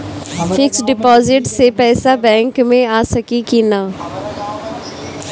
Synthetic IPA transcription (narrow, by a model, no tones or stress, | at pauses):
fɪksɖɪpɔːzɪʈsepɛːsabɛ̃ːŋkmẽaːsəkikina